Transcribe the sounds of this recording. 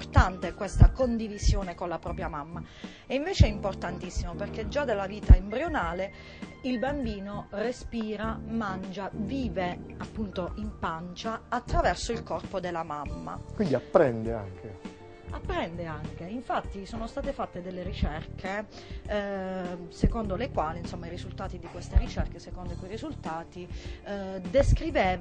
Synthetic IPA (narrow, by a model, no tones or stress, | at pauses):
prt̪ant̪ekwest̪akond̪ivizjoːnekonlapɾɔːpɾjamamːa | ɛiɱveːt͡ʃeimport̪ant̪isːimoperked͡ʒːad̪elːaviːt̪aembɾjonaːle | ilbambiːnorespiːɾamand͡ʒaviːveapːunt̪oʔimpant͡ʃaːt̪ːɾavɛrsoilkɔrpod̪elːamamːa̰kkwind̪iapːɾɛnd̪ea̰ŋkʰe | a̰pːɾɛnd̪eaŋk̟eiɱfat̪ːisoːnost̪aːt̪efat̪ːed̪elːeɾit͡ʃɛrkʰe | sekond̪olekwaːliinsomːairizult̪aːt̪id̪ikwest̪erit͡ʃɛrkesekond̪oikujirizult̪aːt̪i | d̪eskɾiveːva